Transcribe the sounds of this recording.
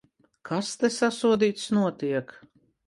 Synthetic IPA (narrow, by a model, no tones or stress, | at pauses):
kʰast̪ɛsasuɔd̪iːt̪snuɔt̪iɛk